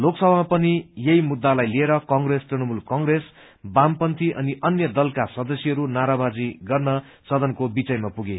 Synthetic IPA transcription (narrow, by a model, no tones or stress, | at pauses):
loksʌbamapʌnijʌimud̪ːalajlieɾʌkʌŋɡrest̪rinʌmulkʌŋɡres | bampʌnt̪ʰiʔʌniʔʌnjʌd̪ʌlkasʌd̪ʌsjʌɦʌɾunaɾabad͡ziɡʌrnʌ | sʌd̪ʌnkobit͡sʌjmapuɡe